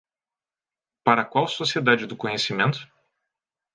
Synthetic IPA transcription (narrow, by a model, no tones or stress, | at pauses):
paɾɐkwawsosied̪ad͡ʒɪd̪ʊkõɲesimẽnt̪ʊ̥